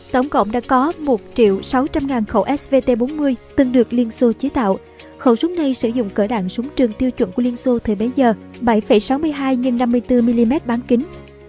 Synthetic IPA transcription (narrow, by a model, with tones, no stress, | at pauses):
t̪ə˧˩wŋ͡mkə̰˧˨wŋ͡mɗa̰ː˧˥kɔ˨˦mo˨˩t̚t͡ɕḭ˧˨əwsa˨˦wt͡ɕa˧mŋaː˨˩nxə˧˩wʔɛ˦˥sve˧t̪e˧ɓo˨˦nmɨ˧əjt̪ɨ˨˩ŋɗɨ˨˩ək̚li˧ənso˧t͡ɕi˨˦t̪a̰ː˧˨w | xə˧˩wsʊ˦˥k͡p̚na˧jsɨ˧˩zʊ̰˧˨ŋ͡mkəː˧˩ɗa̰ː˧˨ŋsʊ˨˦ŋ͡mt͡ɕɨ˨˩əŋt̪i˧əwt͡ɕwə̰˧˩nku˧˩li˧ənso˧t̪ʰəː˨˩jɓe˨˦zəː˨˩ | ɓə˧˩jfə˧˩jsa˨˦wmɨ˧əjɦaː˧jɲɨ˧ŋna˧mːɨ˧əjt̪ɨ˧mi˧li˧mɛ˦˥t̚ɓaː˨˦nkï˨˦ŋ̟